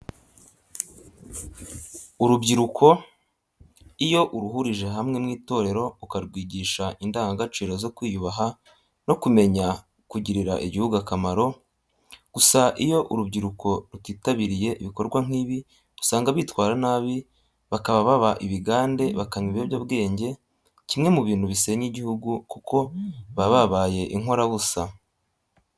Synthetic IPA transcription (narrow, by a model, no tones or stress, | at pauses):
uɾubɟiɾukʰo̞ | ijo̞ʔuɾuɦuɾiʒe̞ɦamŋe̞mŋiːto̞ːɾe̞ɾo̞ukaɾɡwiːɟiːʃaʔindaːŋɡaɡat͡ʃiːɾo̞zo̞kwiːjuβaɦa | no̞kume̞ɲa | kuɟiɾiɾa̰ʔiɟihuɡakamaɾo̞ | ɡ̥usaʔijo̞ʔuɾubɟiɾukʰo̞ɾutwiːtaβiɾije̞ʔiβiko̞ɾɡwaŋ̥iːβi̥ | usaːŋɡaβiːtwaːɾanaːβi | βakaβaβaβaʔiβiɡaːnde̞βakaɲiβeβjaβɡe̞ːɲɟe̞ | cimŋe̞muβiːn̥huβise̞ɲiɟihuɡukukʰo̞βaβaβaːje̞ʔiŋo̞ɾaβusa